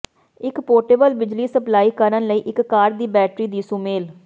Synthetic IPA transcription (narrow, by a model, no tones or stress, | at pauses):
ɪkpoːʈeːbəlbɪd͡ʒliːsəplaːiːkəɾənləiːʔɪkkaːɾd̪iːbɛːʈɾiːd̪iːsumeːl